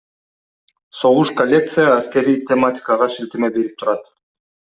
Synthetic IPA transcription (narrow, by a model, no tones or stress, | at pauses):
so̞ʁuʃkolʲːe̞k̚t̪sɨjəːskʲe̞ɾijtʲematʲɪ̥kəʁɑʃilt̪emebe̞ɾip̚t̪ʰuɾɑt̪